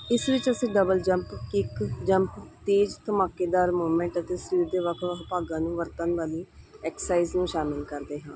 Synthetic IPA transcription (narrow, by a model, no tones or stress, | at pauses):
ɪsʋɪt͡ʃəsĩːɖəbəld͡ʒə̃mpkɪkd͡ʒəmpt̪eːd͡ʒt̪əmaːkeːd̪aːɾmoːmẽːɳʈət̪eːsɾiːd̪eːʋəkʰʋəpaːɡãːnũːʋəɾt̪ənʋaːliːɛːksaːiznũːʃaːmɪlkəɾd̪eːɦãː